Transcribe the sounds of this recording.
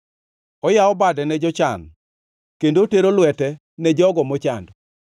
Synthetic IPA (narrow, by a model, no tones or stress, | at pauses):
ɔjaɔbadɛnɛd͡ʒɔt͡ʃa̰n | kendoteɾolʊwɛtɛ | nɛd͡ʒɔɡɔmɔt͡ʃandɔ